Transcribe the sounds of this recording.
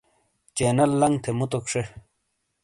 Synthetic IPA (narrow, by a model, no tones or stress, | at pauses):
t͡ɕeːnɐlːɐŋt̪ʰemut̪okʂe